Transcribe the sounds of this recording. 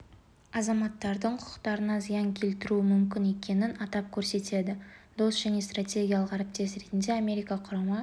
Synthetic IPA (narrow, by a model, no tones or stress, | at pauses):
ɑzɑmɑt̪ːɑɾd̪əɴqʰʊʊ̥qt̪ɑɾənɑzijɑŋkʲʰe̞lt̪ɪɾuɪmʏmkʲɪne̞kʲe̞nɪnɑt̪ɑp̚kʲʰɵɾse̞t̪e̞d̪ɪd̪̥o̞sʒ̥æne̞st̪ratʲe̞ɡʲijalˠəqæɾɪp̚t̪e̞sɾe̞t̪ɪnd̪e̞amʲe̞ɾʲijkɑqʰʊɾɑmə